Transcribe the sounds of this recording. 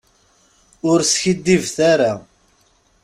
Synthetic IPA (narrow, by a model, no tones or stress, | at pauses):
ʊɾsçid̪ːivθaɾa